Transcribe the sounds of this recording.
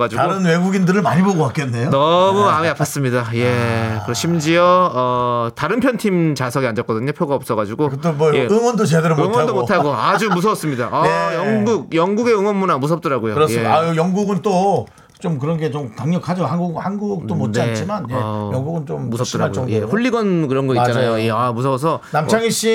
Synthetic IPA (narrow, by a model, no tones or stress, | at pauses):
ɡad͡ʑuɡaɡoɾɯnwe̞ɡuɡindɯɾɯɭmaɲiboɡoak͈enːejonʌmuamiapʰas͈ɯmɲidaje̞kɯɾʌɕʰimd͡ʑiʌʌtaɾɯnpʰjʌntʰimt͡ɕasʰʌɡiand͡ʑʌk͈ʌdɯɲopʰjoɡaʌp̚s͈ʌɣad͡ʑuɡokɯt͈emwʌjeɯŋwʌndot͡ɕedɡeɾɯmɯŋwʌdomotʰaɡoad͡ʑumus̬ʰʌʌs͈ɯmɲidaʔʌjʌŋɡuk̚jʌŋɡuɡe̞ɯŋwʌnmunamusʰʌp̚t͈ʌɾaɡojoɯɾsjeajʌŋɡuɡɯnt͈o | t͡ɕomk̬ɯɾʌnɡe̞t͡ɕomtaŋɲʌkʰad͡ʑohanɡuɡhanɡuk̚t͈omont͡ɕat͡ɕ͈ʰimanjeʌjʌŋɡuɡɯnt͡ɕommusʰʌt͈ʌɾaaɡojeɸuɭːiɡʌnkɯɾʌnɡʌit͡ɕanajoje̞amusʰʌʌs̬ʰʌnamʰaŋiɕ͈i